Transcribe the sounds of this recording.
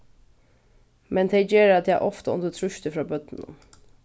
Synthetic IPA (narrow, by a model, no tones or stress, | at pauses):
mɛnt̪ʰɛɪd͡ʒeːɾɑt̪jæʔɔft̪əʊ̰nd̪ət̪ʰɾʉʃt̪əfɾɑːbœd̪̥n̩ʊ̰m